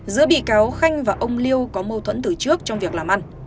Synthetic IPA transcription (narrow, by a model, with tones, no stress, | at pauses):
zɨ̰˧˥əɓḭ˧˨kaː˨˦wxa˧jŋ̟vaː˨˩ʔə˧wŋ͡mli˧əwkɔ˨˦mə˧wt̪ʰwə̰˧˥nt̪ɨ˨˩t͡ɕɨ˦˥ək̚t͡ɕɔ˧wŋ͡mvi˨˩ək̚laː˨˩mʔa˧jŋ̟